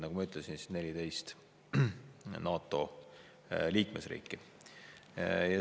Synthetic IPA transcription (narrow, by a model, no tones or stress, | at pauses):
nɑɡ̥umɑyt̪ˑlesinsine̞lʲit̪e̞jst̪ | nɑːt̪ːˑo̞̰ | liːkmesrḭːkːˑi | jɑ